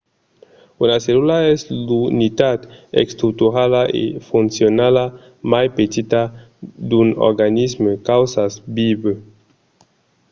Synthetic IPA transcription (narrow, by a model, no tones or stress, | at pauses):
unaselulaɛslunit̪ad̪ḛkst̪ɾut̪uɾalaʔḛfunsjonala | majpet̪it̪a | d̪uno̰ɾɡanismekawsasbibe